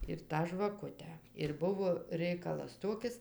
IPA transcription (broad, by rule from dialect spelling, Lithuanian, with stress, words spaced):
ɪr ˈtɑː ʒʋɐˈkʊtʲæː ɪr ˈbʊʋoː ˈrʲɛɪkɐlˠɐs ˈtoːkʲɪs